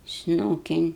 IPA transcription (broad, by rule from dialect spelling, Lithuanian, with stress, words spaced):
ˈsnuːkʲɪn